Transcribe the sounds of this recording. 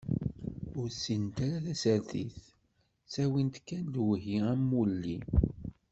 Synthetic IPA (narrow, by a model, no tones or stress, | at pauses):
ʊɾsint̪aɾaθæsæɾθḭθ | sæwint̪kːænd̪wəɦiæmːulːi